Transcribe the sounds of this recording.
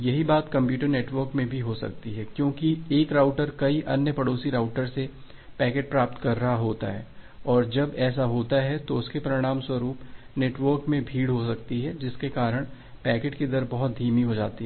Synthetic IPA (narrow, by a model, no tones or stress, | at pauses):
jɐɦibaːt̪kɐ̃mpjuːʈəɾneːʈʋəɾkmẽbʱiɦosɐ̰k̚t̪iɦɛːkjõːkieːkɾaːʊʈəɾkɐiʔɐnjəpɐɽoːsiɾaːʊʈəɾse | pɛːkeːʈ̚pɾaːp̚t̪kɐɾːɐɦaɦoːt̪a̰ɦɛ̰ːɔːɾd͡ʒɐbɛːsaɦoːt̪aɦɛt̪oʊskepɾɪɽ̃aːmswɐɾuːp | neːʈʋəɾkmẽbʱiːɽɦosɐkt̪iɦɛd͡ʒɪskekaːɾəɽ̃ | pɛːkeːʈkid̪əɾbɐɦʊt̪̚d̪ʱiːmiɦod͡ʒa̰ːt̪iɦɛ